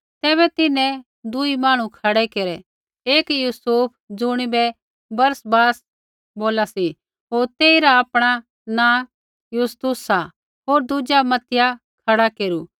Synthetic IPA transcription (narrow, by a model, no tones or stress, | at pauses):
t̪ɛːβɛt̪ɪnɛ̃ | d̪uimaːɽ̃ũkʰɐɽɛkeːɾɛ | eːkjuːsuːpʰd͡zʊɽ̃ibɛ | bɐɾsbaːs | boːlasi | ɦoːɾt̪eːiɾaapɽ̃a | nã | just̪ʊsa | ɦoːɾd̪ud͡ʒamɐt̪ɪja | kʰɐɽakeːɾuː